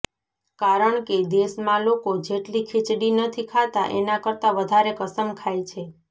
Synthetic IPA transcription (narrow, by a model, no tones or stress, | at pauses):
kaɾəɳked̪esmãlokod͡ʒeʈlikʰɪt͡ʃɽinət̪ʰikʰat̪aʔenakəɾt̪aʋəd̪ʱaɾekəsəmkʰajt͡ʃʰe